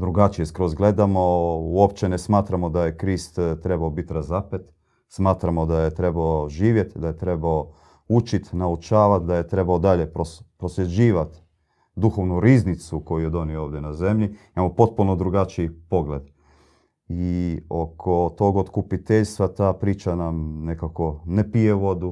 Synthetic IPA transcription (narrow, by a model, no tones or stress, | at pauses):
d̪ɾuɡat͡ʃijeskɾozɡle̞d̪amo̞uopt͡ʃenesmaːt̪ɾamo̞d̪ajekɾist̪t̪ɾe̞baobit̪ɾazapet̪ | smaːt̪ɾamo̞d̪ajet̪ɾe̞baoʒiːʋje̞t̪d̪aje̞t̪ɾe̞bao | ut͡ʃit̪naut͡ʃaːʋat̪d̪aje̞t̪ɾe̞baod̪aʎe̞pɾopɾosjed͡ʑiːʋat̪ | d̪uxo̞ʋnuɾiːznit̪suko̞jujed̪o̞niooːʋd̪jenaze̞mʎiimamopo̞t̪̚punod̪ɾuɡat͡ʃiipo̞ɡle̞d̪ | io̞kʰo̞t̪o̞ɡot̪kupit̪eʎst̪ʋat̪aːpɾiːt͡ʃanamne̞kako̞nepije̞ʋo̞d̪u